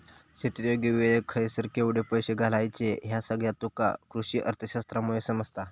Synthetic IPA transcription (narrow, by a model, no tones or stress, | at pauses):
set̪ɾjoɡiʋiʋeekʰəjsəɾkʰeuɽ̤epəjɕeɡʱalajt͡seɦjasəɡɭjat̪uka̰kɾuɕiːʔə̰ɾt̪ʰəɕast̪ɾamujesəməd͡zt̪a